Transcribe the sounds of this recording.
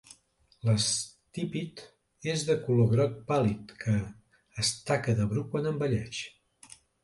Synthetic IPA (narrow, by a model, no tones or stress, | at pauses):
ləst̪ipit̪ | ezðəkuloɣɾɔt̪̚palit̪kʰəː | st̪akəðəβɾukwanəmbəʎɛʃ